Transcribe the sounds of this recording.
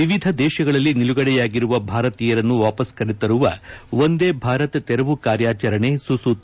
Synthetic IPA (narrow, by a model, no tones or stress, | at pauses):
ʋiʋid̪ʱɐd̪ɛːʃɐɡɐɭɐlːiniluɡɐɽɛjaːɡiɾuʋɐbʱaːɾɐt̪iːjɐɾɐnːuʋaːpɐskɐɾit̪ɐɾuʋɐ̰ʋo̞nd̪eːbʱaːɾɐt̪t̪ɛɾɐʋukaːɾjaːt͡ʃɐɾɐɳe̞susut̪